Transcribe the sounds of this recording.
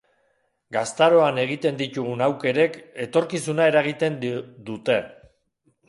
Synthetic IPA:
ɡast̪aɾo̞ane̞ɣ̞it̪e̞nd̪it̪uɣ̞unawke̞ɾe̞ke̞t̪o̞ɾkisunae̞ɾaɣ̞it̪e̞nd̪ut̪e̞

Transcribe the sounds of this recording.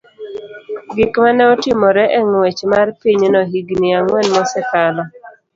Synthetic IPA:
ɡɪkmanɛɔtɪmɔɾɛʔɛŋwɛt͡ʃmarpiɲnɔɦiɡniaŋwɛnmɔsɛkanɔ

